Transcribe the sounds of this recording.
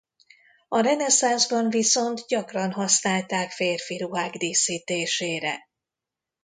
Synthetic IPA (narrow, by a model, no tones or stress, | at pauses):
ɒɾɛnɛsanzbɒɱviso̞nt̪ɟɒkrɒnɦɒsnaːlt̪aːkfeːrfiɾuɦaːɡd̪eːsiːt̪eːʃeːɾɛ̰